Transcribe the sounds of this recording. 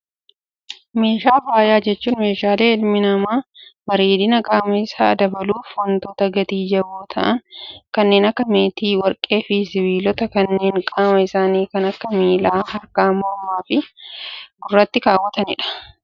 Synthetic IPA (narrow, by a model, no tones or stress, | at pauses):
me̞ːʃaːfaːjaːd͡ʒɛt͡ʃːuːnme̞ːʃaːle̞ːɪlmɪnɐmaːbɐɾeːd̪ɪnɐkʼaːmɐɪsaːd̪ɐbɐluːfwɐnt̪oːt̪ɐɡɐt̪iːd͡ʒɐwoːt̪ʰɐ̰ʔɐŋkɐnːe̞ːnɐkːɐme̞ːt̪iːwɐɾkʼe̞ːfɪsɪwiːlɔt̪ɐkɐnːe̞ːŋkʼaːmɐɪsaːniːkɐnɐkːɐmiːlaːhɐɾkaːmoːmːaːfɪ | ɡʊrːɐt̪ːɪkaːwːɐt̪ɐnɪ̰ᶑɐ̥